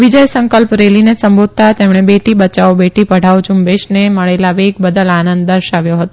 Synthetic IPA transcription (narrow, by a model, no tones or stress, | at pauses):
ʋid͡ʒəjsə̃ŋkəlpɾelinesəmbod̪̚t̪at̪emɽɳ̃ebeʈibət͡ʃaobeʈipəɽ̤ʱaʋod͡ʒumbeʃneməɭelaʋeɡ̚bəd̪əlanənd̪̚d̪əɾʃaʋjoɦət̪o